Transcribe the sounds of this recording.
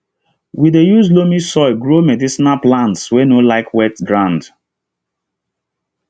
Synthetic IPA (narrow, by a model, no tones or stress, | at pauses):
widejuzlomisɔɡɹomedisinalplãntswenolaɪkʰwɛtɡɹãnd